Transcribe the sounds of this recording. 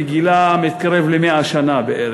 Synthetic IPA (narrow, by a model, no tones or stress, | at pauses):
ɡilamit̪̚kaɾevlemeaʃanabeʔeɾ